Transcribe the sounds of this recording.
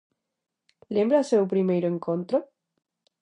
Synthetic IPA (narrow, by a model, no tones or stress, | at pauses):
lembɾasewpɾimejɾoeŋkõnt̪ɾo